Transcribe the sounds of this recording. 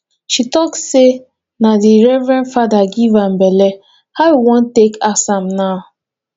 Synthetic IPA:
ʃitɔksse | nadiɾɛvɾãnfadaɡivam̩bɛlɛ | haʊwiwɔ̃ntekasam̩naʊ

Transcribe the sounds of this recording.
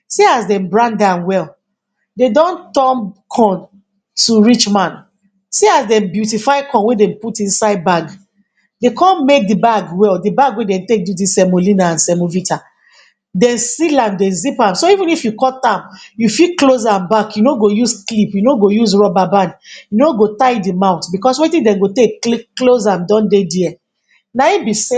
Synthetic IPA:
seazdɛ̃mbɹãndãnwɛl | dedɔ̃ntɔ̃mkʰɔ̃n | tuɹit͡ʃmãn | seazdɛ̃mbjutifaɪkʰɔ̃nwedɛ̃mputĩnsaɪd̚baɡ | dekʰɔ̃nmek̚dibaɡwɛldibaɡwedɛ̃mtek̚dudisɛmolĩnaãnsɛmovitʰa | dɛ̃nsilãmdɛ̃nzipãmsoivĩnifjukɔtãmjufiklozãmbakjunoɡojuzklipjunoɡojuzɹɔbabãnjunoɡotaɪdimãʊ̃tbikɔsɔwitĩdɛ̃mɡoteklikːlozãmdɔ̃ndediɛ | naĩbis

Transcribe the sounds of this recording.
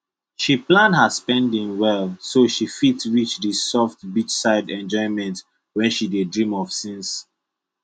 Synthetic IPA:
ʃiplãndhaspɛ̃ndĩŋwɛlˠsoʃifitɹit͡ʃdisɔft̚bit͡ʃsaɪdɛ̃nd͡ʒɔɪ̃mɛ̃nt | wɛ̃nʃidedɹĩmɔv̥sĩns

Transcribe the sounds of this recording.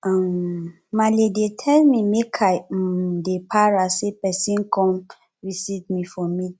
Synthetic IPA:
ãmː | aledetʰɛlmimekʰadepʰaɹasepɛsĩnkʰɔ̃m | ɹisitmĩfɔ̃mi

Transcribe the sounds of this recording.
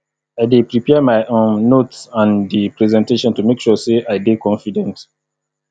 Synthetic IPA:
aɪdepɹipɛmaɪʔõnːotsãndipɹɛzɛ̃nteʃɔ̃ntumekʃɔseajdekɔ̃nfidɛ̃nt

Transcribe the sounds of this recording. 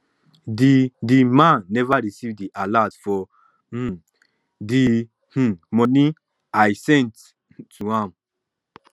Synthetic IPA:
didimãnɛvaɹisivdiʔalatfɔ | di | h̩mɔni | ajsɛ̃ntːʰ | uhãm

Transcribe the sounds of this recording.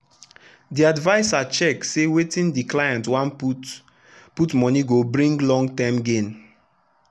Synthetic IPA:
diadvaɪsat͡ʃɛk̚tsewetĩndiklajãntwãnp | putmɔniɡobɹĩŋɡlɔ̃ŋɡtãmɡẽn

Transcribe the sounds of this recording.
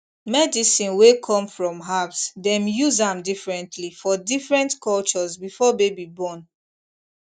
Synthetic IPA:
mɛdisĩnwekʰɔ̃mfɹɔ̃mɦavsdɛ̃mjuzãmdifɹɛ̃ntʰlifɔdifɹɛ̃ntkʰɔlt͡ʃɔzbifɔbebibɔ̃n

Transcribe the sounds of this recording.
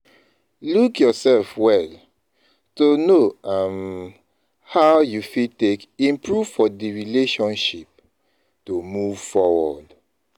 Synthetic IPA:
lukjɔsɛlfwɛl | tonoam | haʊjufitekĩmpʰɹuv̥fɔdiɹileʃɔ̃nʃip̚ | tomuv̥fɔwɔ̰d

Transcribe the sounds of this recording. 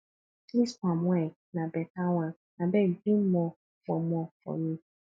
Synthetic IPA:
liskʷamɛ | nabɛtawã | nabɛdum̩mɔ | fɔmɔfɔ̰mĩ

